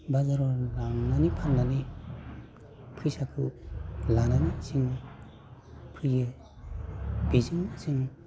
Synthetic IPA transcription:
bazaɾɔlaŋnanipʰannani | pʰɯjsakʰɯlananisiŋ | pʰɯjɯ | b̥ezɯŋsiŋ

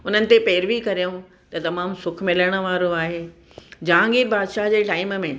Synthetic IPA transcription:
ʊnənɪ̆t̪epeːɾʋikɐɾijõ | t̪ɐt̪ɐmaːmsʊkʰmɪləɽ̃ə̆ʋaːɾoaːɦeː | d͡ʑãːŋɡiːɾbaːd̪ʃaːɦd͡ʑeːʈaːɪmmẽ

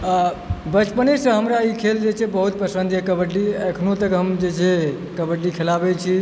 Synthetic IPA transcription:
bət͡ʃpənesə̃ɦəmɾaikʰeld͡ʒet͡ʃʰɛbəɦut̪̚pəsə̃nd̪ʱekəbəʈːiəkʰnot̪əkɦəmd͡ʒet͡ʃʰe | kəbəʈːikʰelabɛt͡ʃʰi

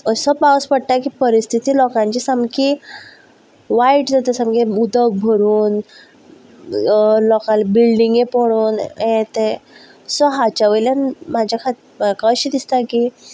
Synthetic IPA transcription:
əsəpaspəɽt̪akipəɾist̪ʰit̪iːlɔkãɲt͡ɕisamki | ʋaiʈd͡zat̪əsamkeud̪ək̚bʱəɾuːn | lɔkãlbilɖiŋɡepɔɽoːnẽt̪e | sɔɦat͡ɕaʋəjlanmad͡ʑʱakʰat̪ | kəɕid̪ist̪aki

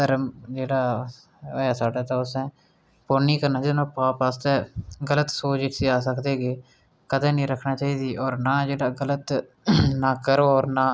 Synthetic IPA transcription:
t̪əɾd͡ʒeːɽaː | aːsaːɖaːt̪ãːʊsɛ̃ː | poːɾniːkəɾnaːinãːpaːpaːst̪ɛːɡələt̪soːd͡ʒɪsiːaːs̬əkd̪eːɡeː | kəd̪ẽːnĩːɾəkʰnaːt͡ʃaːiːd̪iːʔɔːɾnaːd͡ʒeːɽaːɡələt̪ | naːkəɾoːɔːɾnaː

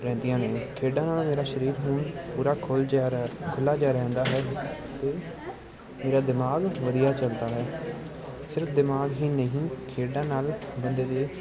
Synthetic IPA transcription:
ɾɛ̃ːnd̪ijãːnẽːkʰeːɖãːnaːlmeːɾaːʃəɾiːɾɦʊːɳpuːɾaːkʰʊlkʰʊlːaːd͡ʒaːɾɛ̃ːnd̪aːɦɛːt̪eː | meːɾaːd̪ɪmaːɡʋəd̪ijaːt͡ʃəld̪aːɦɛː | sɪɾfʰd̪ɪmaːɡɦiːnəɦĩːkʰeːɖãːnaːlbənd̪eːd̪eː

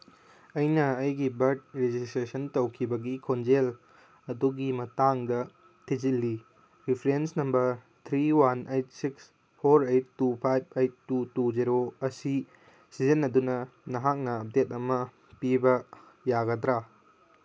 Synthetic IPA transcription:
ɐjnɐɐjɡibɐɾd̚ɾed͡ʒistɾesɐntɐwkʰibɐɡikʰond͡ʒel | ɐduɡimɐtaŋdɐ | tʰizilːi | ɾipʰɾensnɐmbɐɾ | t̪ʰɾiwanejt̚siks | pʰoɾejtːupʰajb̚ʰejt̚ːutuziɾoɐsi | sizinːɐdunɐnɐɦak̚nɐːp̚det̚ɐmɐ | pibɐ | jaɡɐdɾa

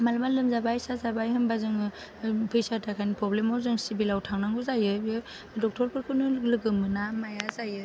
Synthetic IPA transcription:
malmalɯmzabajsazabajɦɯmbazɯŋɯ | pʰɯjsatʰakʰajnipɾɔblemɔzɯŋsibilawtʰaŋnaŋɡɯzajɯbɯ | dɔk̚tʰɔɾpʰɯɾkʰɯnɯlɯɡɯmɯnamajazajɯ

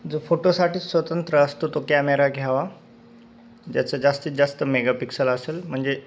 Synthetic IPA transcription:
d͡zofoʈosaʈiːsʋət̪ənt̪ɾəːst̪ot̪okɛmeɾaɡʱjaʋa | d͡ʑjat͡sad͡zast̪iːt̪̚d͡zast̪əmeɡapiksələselm̤əɳd͡ze

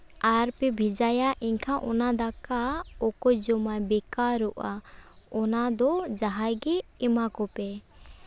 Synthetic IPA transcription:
aɾpɛbʱid͡ʒajaʔiɲkʰaʔɔnad̪akaɔkɔd͡ʒɔmajbɛkaɾuʔaɔnad̪ɔd͡ʒaɦajɡɛɛmakɔpɛ

